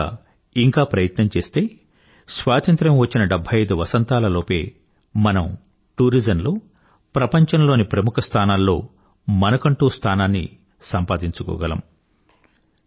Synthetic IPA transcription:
iŋkaːpɾɐjɐt̪nɐmt͡ʃe̞ːst̪e̞ː | sʋaːt̪ɐnt̪ɾɐmʋɐt͡ʃːinɐɖɐbʱːɐjɐjd̪uʋɐsɐnt̪aːlɐloːpe̞ː | mɐnɐm | ʈuːɾid͡ʒɐnloː | pɾɐpɐɲt͡ʃɐnlo̞ːnipɾɐmukʰɐst̪ʰaːnaːllːo̞ː | mɐnɐkɐɳʈuːst̪ʰaːnaːnːḭ | sɐmpaːd̪iɲt͡ʃukɔ̰ːɡɐlɐ̰m

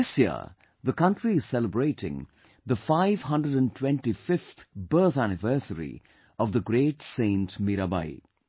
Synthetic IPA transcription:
ɪsjḭə̰ | ðəkʌ̃nʈɾiɨz̥sɛləbɾeɪʈɪ̰̃ŋ | d̪əfaɪvɦʌ̃ndɹəɖə̃ntʰwɛ̃nʈifɪft̪bɜ˞t̪ænɪvɜsəɾḭ | ɔvðəɡɾeːʈsẽɪ̃ntmiɾaba̰ɪ

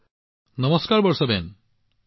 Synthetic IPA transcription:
nʌmɔskaɾbɔɾsɔben

